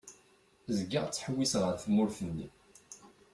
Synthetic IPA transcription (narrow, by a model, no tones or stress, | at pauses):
zəɡːaʁt͡sːħəwːisʁəɾθəmːʊɾθənːḭ